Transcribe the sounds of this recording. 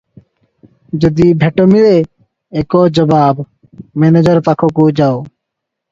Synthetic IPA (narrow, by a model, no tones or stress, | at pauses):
d͡ʒod̪ibʱeʈomile | ekɔːd͡ʒəbaːb | mened͡ʒəɾpakʰokud͡ʒao